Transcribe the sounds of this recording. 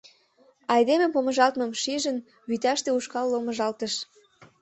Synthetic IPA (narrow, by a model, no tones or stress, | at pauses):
ɑjd̪emepomə̆ʒɑlt̪məmʃiʒən | βyt̪ɑʃt̪euʃkɑlːoməʒɑlt̪əʃ